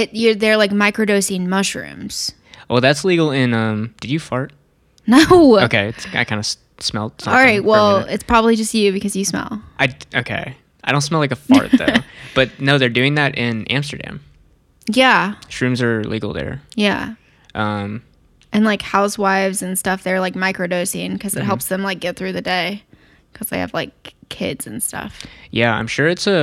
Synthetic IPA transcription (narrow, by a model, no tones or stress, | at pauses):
ɪtjə˞ðə˞laɪk̚maɪkɹɨdoʊsɪ̃nmʌʃɹʉ̰̃mz̥ | wʔɛlˠðætsliɡl̩ˠɪ̃nʌ̃md̥ɨd͡ʒɨfɑɹt̚ | noʊoʊkʰeɪɨtsaɪkʰãɪ̃ndəs | smɛ̰lˠtsʌ̃ɑlˠɹaɪt̚wɛlˠɪtspʰɹ̥ɑbəblid͡ʒʌstjʉbɨkʰʌzjɨsmɛ̰lˠʔaɪʔoʊkʰḛɪ | aɪdõʊ̃ntsmɛlˠlaɪkəfɑ̰ɹt̪̚ðo̰ʊb̥ʌt̚noʊðə˞dʉɪ̃ŋðæɾɪ̃næ̰̃mstə̰˞dæ̰̃m | jæʃɹʉ̃mzə˞liɡl̩ˠðə̰˞jæ̰ | ʔʌ̃m | ɨ̃nlaɪkhaʊswaɪvzɨ̃nstʌfðə˞laɪk̚maɪkɹɨdoʊsɪ̃ŋkʰʌzɨt̚ɦɛlˠpsðə̃mlaɪk̚ɡ̥ɛt̪̚θɹʉðɨdeɪ | kʰʌzðeɪɨ̰v̥laɪkʰːɪ̰dz̥ɨ̃n̩stʰʌ̰fjæã̰ɪ̃mʃʊɹɨtsə